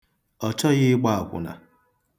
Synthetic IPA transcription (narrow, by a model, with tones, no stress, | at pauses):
ɔ˨t͡ʃɔ˦ɣɪ˦ɡ͡ba˦a˨kʷʊ̰˨na̰˨